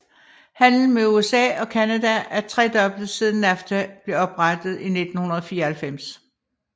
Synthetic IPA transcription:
hæn̰ln̩meuesɛ̰ːɒ̽kʰænæd̥ææɐt͡sʰʁɛ̰ːd̥ɒ̽b̥l̩dð̩ˠsið̞ˠn̩æft͡sʰæb̥le̝ɒ̽b̥ʁad̥ð̞̩ˠine̝d̥n̩hunɐðˠfiːɐælfem̰s

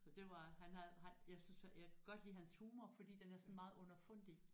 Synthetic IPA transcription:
ɒd̥e̝ʋɑ̈ɦænhæhænjäɪsynshjakʰuɡ̥ɒ̽d̥liːɦænshuːmɐfɒ̽d̥ḭːd̥enæɐsɒɔ̽n̩mɑ̈ːð̞̩ˠɔ̽nɐfɔn̰d̥i

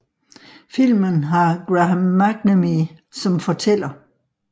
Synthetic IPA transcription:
fil̰mənɦɑ̈ɡ̥ʁamːæɡ̥nəmisɒ̽mfɒ̽t͡sʰel̰ɐ

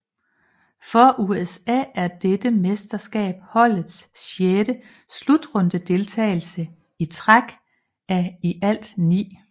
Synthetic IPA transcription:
fɒ̽ʔuesɛ̰ːæɐd̥ed̥əmesd̥ɐsɡ̥ɛ̰ːb̥̚hɒ̽l̰ð̩ˠsːeɾ̥ə | slud̥ʁɔ̽nd̥əd̥e̝lt͡sʰɛ̰ɪl̩sə | it͡sʰʁaɡ̥ | æiʔæl̰d̥nḭː

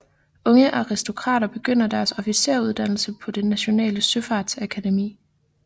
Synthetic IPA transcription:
ɔ̽ŋəʔɑ̈ʁisd̥o̝kʰʁɑ̰̈ːɾ̥ɐb̥e̝ɡ̥øn̰ɐd̥æɐsɒ̽fise̝̰ɐ̰uð̞ˠd̥æn̰l̩səpʰɒ̽d̥enːæɕo̝nɛ̰ːləsøfɑ̈d̥sækʰæd̥e̝mḭː

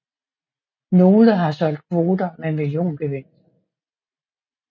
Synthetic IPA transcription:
no̝ːləɦɑ̈sɒ̽l̰d̥̚kʰʋo̝ːd̥ɐmemiljo̝̰ːnɡ̥eʋen̰d̥

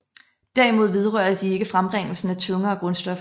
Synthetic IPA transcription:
d̥æɐimo̝ð̰ˠʋe̝ð̞ˠʁɶɐ̰dəd̥ie̝ɡ̥əfʁamʁeŋ̰l̩sn̩æt͡sʰɔ̽ŋɐɒ̽ɡ̥ʁɔ̽nsd̥ɒ̽f

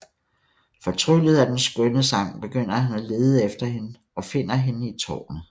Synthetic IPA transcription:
fɒ̽t͡sʰʁylð̞̩ˠæd̥ensɡ̥œnəsɑ̈ŋ̰b̥e̝ɡ̥øn̰ɐhænæle̝ːð̞ˠəefd̥ɐhe̝nə | ɒ̽fe̝n̰ɐɦe̝nəit͡sʰɒ̰ːnə

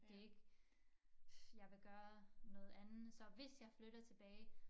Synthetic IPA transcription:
d̥e̝e̝ɡ̥ | jɑ̈ɪʋe̝ɡ̥ɶːɐnɔ̽ːð̞̩ˠænð̩ˠsɒ̽ʋe̝sjɑ̈ɪfløɾ̥ɐt͡sʰe̝b̥ɛːɪ

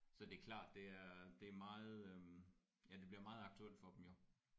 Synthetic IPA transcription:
sɒ̽d̥e̝ækʰlɑ̰̈ːd̥d̥e̝æɐd̥e̝æɐmɑ̈ːð̩ˠø | jæd̥e̝b̥liɐmɑ̈ːð̩ˠɑ̈ɡ̥̚t͡sʰuel̰d̥fɒ̽d̥emjo̝

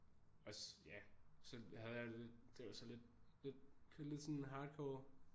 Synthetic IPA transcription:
ɒ̽sjæsɒ̽hæð̞̩ˠjɑ̈ɪde̝d̥e̝ʋɑsɒ̽le̝d̥̚le̝d̥̚kʰle̝d̥sɒnenɦɑ̈ːd̥kʰɒː

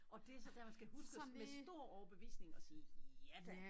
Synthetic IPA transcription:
ʔɒ̽d̥e̝æɐsɒ̽d̥æɐ̰mænsɡ̥æhusɡ̥əmesd̥o̝ɐ̰ɒʊɐb̥e̝ʋḭːsne̝ŋɒ̽siːjæ

